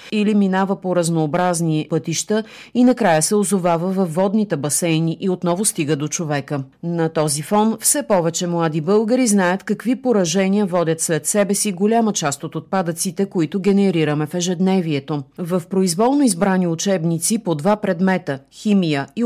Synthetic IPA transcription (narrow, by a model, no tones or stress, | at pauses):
iliminavəpoɾɐznoːbɾaznipɤt̪iʃt̪ə | inɐkɾajəsɛozovavəvɐfːɔd̪nit̪ɛbɐsɛjniʔiot̪nɔvʊst̪iɡəd̪ot͡ʃovɛkənɐt̪ɔzifɔnfsɛpɔvɛt͡ʃɛmlˠad̪ibɤlˠɡəɾiznajət̪kɐkvipoɾɐʒɛniəvɔd̪ʲət̪slɛt̪sɛbɛsiɡolʲamət͡ʃast̪ot̪ot̪̚pad̪ət̪sit̪ɛkoit̪ʊɡɛnɛɾiɾəmɛfɛʒɛd̪nɛviɛt̪ovɐfpɾoizvɔlˠnoizbɾaniʊt͡ʃɛbnit̪sipod̪vapɾɛd̪mɛt̪əximijəi